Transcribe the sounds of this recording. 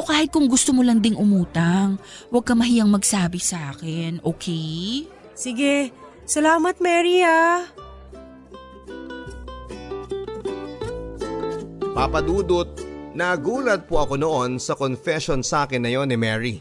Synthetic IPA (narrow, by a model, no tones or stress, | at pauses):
kaːhɪt̪̚kʊŋɡʊst̪omolɐŋd̪ɪŋʔʊmuːt̪ɐŋwɐɡ̚kɐmɐɦijɐŋmɐɡsaːbɪsɐʔaːkɪnʔoːkʰɛj | sɪɡɛ | sɐlaːmɐt̪̚mɛːɾia | papɐd̪uːd̪ot̪̚nɐɡuːlɐt̪̚poʔɐko̞noʔonsɐkonfɛʃonsaːkɪnːɐjo̞nːɪmɛɹi